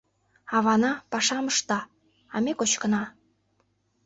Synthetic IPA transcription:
ɑβɑnɑpɑʃɑməʃt̪ɑ | ɑmekot͡ɕkə̆nɑ

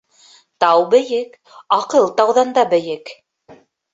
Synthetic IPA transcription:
t̪ɑwbɘ̆jɘk | ɑqɤlˠt̪ɑwðɑnd̪ɑbɘ̆jɘk

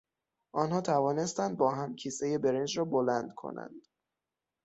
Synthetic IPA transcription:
ʔɒːnhɒːt̪ʰævɒːne̞st̪ænd̪̚bɒːɦæmcʰiːseje̞be̞ɾend͡ʒɾɒːbolænd̪̥kʰo̰næ̰nd̪̥

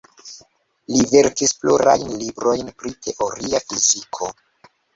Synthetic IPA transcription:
live̞ɾkispluɾa̰jnlibɾo̞jnpɾitʰe̞ʔo̞ɾiafizikʰo̞

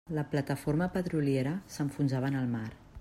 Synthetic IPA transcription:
ləplət̪əfoɾməpət̪ɾulieɾəsəɱfunzaβ̞ənəlˠmaɾ

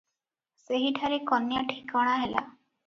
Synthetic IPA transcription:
seɦiʈʰaɾikɔnjaʈʰikɔɽ̃aɦela̰

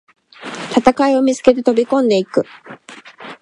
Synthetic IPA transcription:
t̪at̪akaio̞mʲit͡sɨ̥ke̞t̪̬e̞t̪o̞bʲikõ̞nd̪e̞ikɯ̟

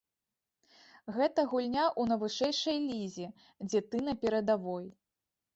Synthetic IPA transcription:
ɣɛt̪ɐɣulʲnʲaʔun̪ɐvɨʂɛjʂɐjlʲizʲi | d͡zʲɛt̪ɨnɐpʲɛɾɐd̪avɔj

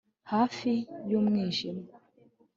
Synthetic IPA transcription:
hafijomŋɛʃim

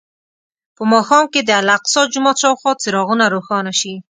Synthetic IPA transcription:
pəmɑxɑmked̪əalaqsɔd͡ʒumɑt͡ʃɑwxɔt͡sɪɾɑɣunaɾoxɑnaʃi

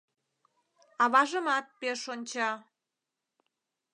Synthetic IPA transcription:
ɑβɑʒəmɑt̪̚peʃonʲt͡ɕɑ

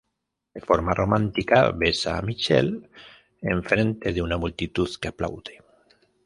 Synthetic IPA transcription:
d̪efoɾmarʔomãnt̪ika̰βesa̰mit͡ʃḛl | eɱfɾent̪eðeunamult̪it̪uθkeapla̰wðe

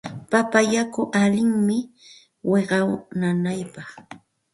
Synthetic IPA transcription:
papajakʊʔalɪŋmɪ | weɢɑwnanajpɑχ

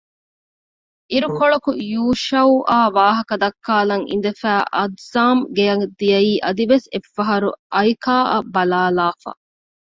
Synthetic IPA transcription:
ʔiɾukoɭɐkujuːʃɐwʔaːʋaːɦɐkɐd̪ɐkːaːlɐŋḭnd̪ɐfæːʔɐd̪zaːmɡejɐŋd̪ijɐiːʔɐd̪iʋesefːɐɦɐɾṵʔɐikʰaːʔɐ̰bɐlaːlaːfɐ̰

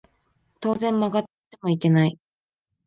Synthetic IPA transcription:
t̪o̞ːzẽ̞mːaɡat̪ːe̥t̪e̞mo̞ike̞nai

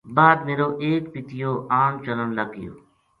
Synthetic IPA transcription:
baːd̪̚meːɾoːʔeːkpɪt̪ɪjoːʔaːɳt͡ʃələɳləɡɪjo̰ː

